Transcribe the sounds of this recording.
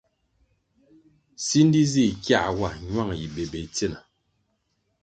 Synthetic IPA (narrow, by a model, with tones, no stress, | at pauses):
si˦n˦di˦zi˦˨kja˦˨wa˦˨ɲwa˦˨ŋ˨ji˨be˨be˨t͡se˦˨na˨